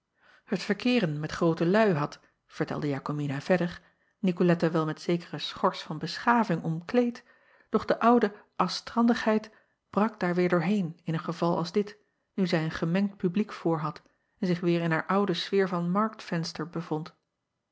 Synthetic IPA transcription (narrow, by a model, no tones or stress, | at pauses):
hətfəɹkɪːʁənmɛtχrowtəlœɥɦɑt | v̥əɹtɛ̰lˠdəjaːkominav̥ɛdəʁ | nikolɛtaʋɛlˠmɛtsejkəʁəsχɔɹsfɑnbəsχaːvɪŋʔɔmklejt | d̥ɔχd̥əʔɑwdəʔɑstʁɑndəχɦɛjt | b̥rɑk̚d̥aːɹʋɪːɹdʊːɹɦejnɪnənχəvɑlˠɑ̰lˠzdɪt | nyzɛjənχəmɛŋt̚pyblikfʊːɹɦɑt | ɛnzɪχʋɪːɹɪnɦaːɹʔɑwdəsfɪːɹvɑnmɑɹk̚tfɛnstəɹbəvɔnt